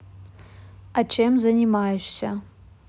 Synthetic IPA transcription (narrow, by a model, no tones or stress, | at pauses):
at͡ʃʰemzɐnʲimaːjʒsɐ